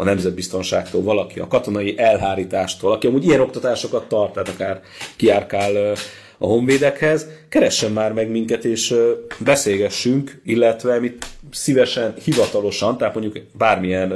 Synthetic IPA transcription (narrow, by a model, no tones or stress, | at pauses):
ɒ̰nɛmzɛd̪̚bist̪o̞nʃaːkt̪o̰ːlvɒlɒkiɒ̰kɒt̪o̞nɒjiʔɛlɦaːɾiːt̪aːʃt̪oːlɒkiɒmuːɟijɛno̞kt̪ɒt̪aːʃo̞kɒt̪ːɒrt̪ːaːt̪ɒkaːr | kiaːrkaːl | ɒ̰ɦo̞ɱveːd̪ɛkhɛzkɛɾɛʃːɛmːaːrmɛɡmiŋkɛt̪eːʃbɛseːɡɛʃːyŋkilːɛt̪ʋɛmit̪sivɛʃɛnhivɒt̪ɒlo̞ʃɒnt̪aɦːt̪moɲɟukbaːrmiɛn